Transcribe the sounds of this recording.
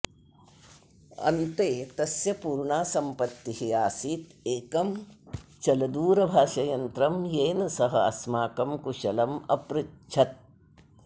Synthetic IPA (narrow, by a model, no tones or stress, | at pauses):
ɐ̰nt̪eːt̪ɐsjɐpuːɾɳaːsɐmpɐt̪ːiɦiaːsiːt̪eːkɐmt͡ʃɐlɐd̪uːɾɐbʱaːʃɐjɐnt̪ɾɐmjeːnɐsɐɦɐɐ̰smaːkɐmkuʃɐlɐmɐ̰pɾɪt͡ʃʰɐt̪̚